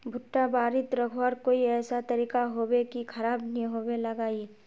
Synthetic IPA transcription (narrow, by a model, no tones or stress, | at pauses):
bʱʊʈːabaːɾɪt̪ɾɐkʰoaɾkoːiɛːsat̪ɐɾiːkaɦoːwekikʰɐɾaːbnĩɦoːwelɐɡaːi